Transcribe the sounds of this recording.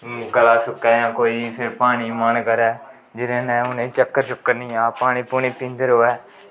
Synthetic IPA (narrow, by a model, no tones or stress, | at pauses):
kəlaːsʊkːɛːjãːkoːiːpʰɪɾpaːɽ̃iːmənkəɾɛː | d͡ʒɪɾẽːnɛ̃ːʊnẽːt͡ʃəkːəɾt͡ʃʊkːəɾnĩːaːpaːɽ̃iːpʊɳ̃iːpĩːnd̪əɾɦoːɛː